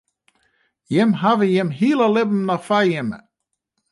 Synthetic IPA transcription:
jɪmɦavəjɪmɦiːlˠəlɪbm̩nɔfajɪmə̰

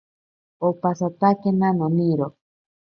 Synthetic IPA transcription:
opasat̪akenanoniɾo

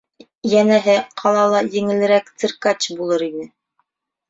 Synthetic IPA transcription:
jænæɦɘqʰɑlˠɑlˠɑjɘ̆ŋɘ̆lɘ̆ɾækt̪ɘ̆ɾkat͡ɕbulˠɤɾinɘ

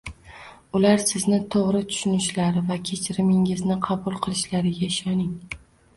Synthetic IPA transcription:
ʊlaɾsɪznɪt̪ʰoʁɾɪt̪ʰʊ̥ʃʊnɪʃlaɾɪvakʲʰe̞t͡ʃʰɪɾɪmɪŋɪznɪqʰɑbʊlˠqʰɨlˠɪʃlaɾɪɡʲaɪʃɒnɪŋ

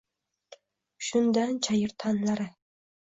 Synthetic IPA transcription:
ʃʊnd̪ant͡ʃʰajɪɾt̪ʰɑnlˠaɾɪ

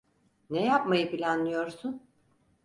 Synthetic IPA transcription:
nɛjapmajɯpilʲanlˠɯjo̞ɾsun

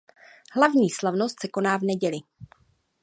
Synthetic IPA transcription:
hlavɲiːslavno̞st̪sɛko̞naːvnɛɟɛlɪ

